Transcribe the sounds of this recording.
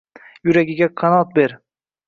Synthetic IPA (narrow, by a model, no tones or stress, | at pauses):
jʊɾaɡʲɪɡʲakʰanɒt̪̚beɾ